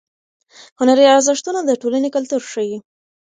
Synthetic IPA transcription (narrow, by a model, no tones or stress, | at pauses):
hʊnaɾiaɾzəʂt̪unad̪əʈolanekalt̪uɾʂəwi